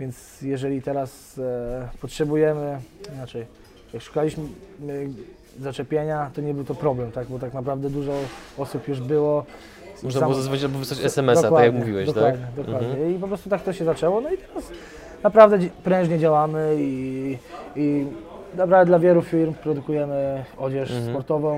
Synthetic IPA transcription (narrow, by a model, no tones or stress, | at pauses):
vʲjɛnt̪s | jɛʐɛlʲit̪ɛɾas | pɔtʂɛbujɛmɘinat͡ʂɛj | jakʂu̥kalʲiɕm | zat͡ʂɛpʲjeɲat̪ɔɲɛbɘwt̪ɔpɾɔblɛmt̪aɡbɔt̪aknapɾavd̪ɛd̪uʐɔɔsupjuʐbɘwɔ | mɔnamwɔzazvɔt͡ɕbɔvsɔt͡ɕɛsɛmɛsd̪awakjakmuɛvʲiwɛd̪ɔkt̪wad̪ɲɛd̪ɔkwad̪ɲɛip̬ɔpɾɔst̪ut̪ak̚t̪ɔɕɛzat͡ʂɛwɔnɔit̪ɛɾas | napɾavd̪ɛpɾɛ̃ʐɲɛd͡ʑawamɘi | i | napɾavd̪ɛd̪lavʲjɛlufʲiɾmpɾɔd̪ukujɛmɘɔd͡ʑɛʂspɔɾt̪ɔvɔ̃w̃